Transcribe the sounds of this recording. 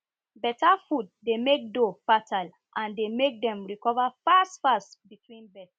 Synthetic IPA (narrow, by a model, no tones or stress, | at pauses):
bɛtafudːemek̚dofatʰal | ʔãndemek̚dɛ̃mɹikɔvafastfasbitʰwĩnbɛt